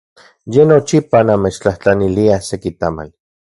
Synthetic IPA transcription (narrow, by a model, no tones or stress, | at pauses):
jenot͡ʃipanamet͡ʃt͡ɬaht͡ɬaniliasekit̪ama̰l